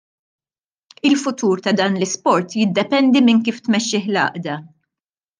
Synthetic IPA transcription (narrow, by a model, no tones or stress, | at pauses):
ɪlfʊt̪uːɾt̪ɐd̪ɐːnlɪspɔɾt̪jɪd̪ːɛpɛnd̪imɪnkiːft̪mɛʃːɪːħlɐ̰ːʔd̪ɐ